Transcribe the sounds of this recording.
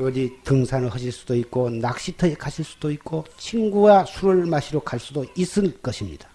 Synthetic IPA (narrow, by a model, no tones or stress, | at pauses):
oditɯŋsʰanɯɭhʌɕʰiɭs͈udoitk̚k͈onak̚ɕ͈itʰʌekaɕʰiɭs͈u̥doik̚k͈ot͡ɕʰiŋɡuwasʰuɾɯɭmaɕʰiɾokaɭs͈udois͈ɯnk͈ʌɕʰimɲḭd̥a